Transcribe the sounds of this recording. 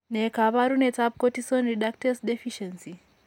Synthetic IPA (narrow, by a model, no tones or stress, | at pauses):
nekaβaɾunetab̚kotisɔnɾiɗak̚tɛsdɛfiʃɛnsi